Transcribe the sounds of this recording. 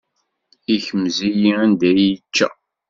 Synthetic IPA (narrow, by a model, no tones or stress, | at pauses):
içəmzijiænd̪æjət͡ʃːæ̰